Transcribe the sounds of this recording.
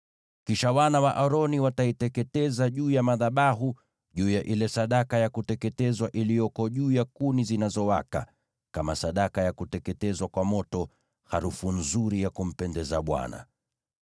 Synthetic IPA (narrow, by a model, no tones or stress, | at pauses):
kiʃawanawaʔaɾɔniwataitɛkɛtɛzaʄuːjamaðaɓaɦu | ʄuːjaʔilɛsaɗakajakutɛkɛtɛzwaʔilijɔkɔʄuːjakunizinazɔwa̰ka̰ | kamasaɗakajakutɛkɛtɛzwakwamɔtɔ | haɾufun̩zuɾijakum̩pɛndɛzaɓwa̰na̰